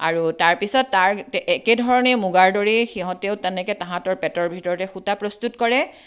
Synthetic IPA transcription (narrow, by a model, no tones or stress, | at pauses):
a̰ɹutaɹpisɔtːaɹɛɛkedʱɔɹɔnɛmuɡaɹdoɹixiɦɔ̃tɛʊtɛnɛkɛtãɦãtɔɹpɛtɔɹbʱitɔɹɔtɛxutapɹɔstutkɔɹɛ